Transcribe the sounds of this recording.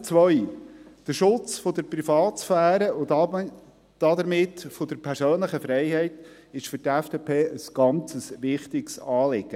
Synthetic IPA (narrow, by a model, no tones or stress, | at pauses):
t͡sʋœjd̥əɾʃʊt͡sfod̪əɾprifɑːt̪sfæːɾəʊ | d̥ɑd̪əɾmɪtfod̥̪əɾpʰɛɾsøːnləχəfɾɛɪhɛɪt̪ | ɪʃfʏɾtɛfd̥eːpʰeːʔəsɡ̥ɑnt͡səsʋɪχt̪ɪɡsɑːlɪɡ̥ə